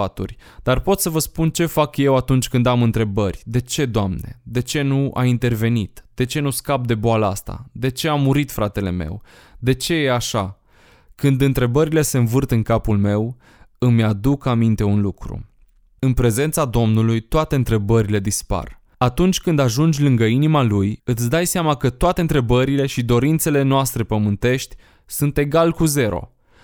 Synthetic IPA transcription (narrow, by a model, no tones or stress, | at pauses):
at̪ṵrʲd̪arpo̞t̪səvəspunt͡ʃe̞fakje̞wat̪unt͡ʃʲkɨnd̪amɨnt̪ɾe̞bərʲd̪e̞t͡ʃe̞d̪oamne̞̰d̪e̞t͡ʃe̞nuʔa̰int̪e̞rve̞nit̪d̪̥e̞t͡ʃe̞nuskap̚d̪e̞boaləast̪a̰d̪e̞t͡ʃe̞amuɾit̪fɾat̪e̞le̞̰me̞̰w | d̪e̞t͡ʃe̞jeaʃa | kɨnd̪ɨnt̪ɾe̞bəɾile̞se̞ɨnvɨrt̪ɨŋkapulme̞w | ɨmjad̪ukamint̪e̞unlukɾṵ | ɨnpɾe̞ze̞nt̪sad̪o̞mnulujt̪oat̪e̞ɨnt̪ɾe̞bəɾile̞d̪ispa̰r | at̪unt͡ʃʲkɨnd̪aʒund͡ʒʲlɨŋɡəinimalujɨt̪sʲd̪ajseamakət̪oat̪e̞ɨnt̪ɾe̞bəɾile̞ʃid̪o̞ɾint̪se̞le̞noast̪ɾe̞pəmɨnt̪e̞ʃt̪ʲ | sunt̪e̞ɡalkuze̞ɾo̞̰